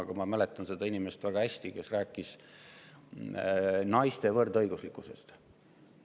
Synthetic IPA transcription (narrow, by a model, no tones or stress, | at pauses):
ɑɡ̥ɑmɑmæle̞t̪ːˑɑnse̞d̪̥ɑinime̞st̪væɡ̥ɑhæsʲt̪ike̞sræːkːˑis | nɑjst̪e̞vɤrd̪ɤjɡ̥uslikːˑuse̞̰st̪